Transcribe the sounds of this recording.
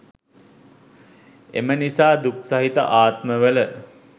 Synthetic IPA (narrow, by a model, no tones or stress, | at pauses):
ḛmənisaːd̪uksaɦit̪ə̰ʔaːt̪məʋələ